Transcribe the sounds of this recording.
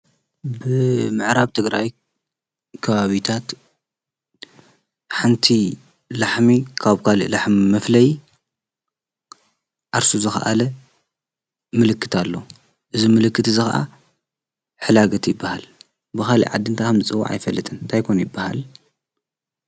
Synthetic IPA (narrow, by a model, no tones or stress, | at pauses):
bɨmɨʕɾaβt̪ʰɨɡɾaj | kʰɐβaβit̪ʰat̪ | ħant̪ʰi | laħmikʰaβkʰalḭʔlaħmimɐflɐj | ʔaɾsuzɨxɐʔa̰lɐ | mɨlɨkʰːɨt̪ʰalːo̞ | ʔɨzimɨlɨkːɨt̪ʰzɨxaʔa̰ | ħɨlaɡɐt̪jɪbːahal | bɨxalḭʕa̰d̪ːɨnt̪ʰakʰɐmzɨt͡sʼɨwːa̰ʕa̰jfɐlːɨt̪ʰɨnɨnt̪ʰajkʰonjɪbːaha̰l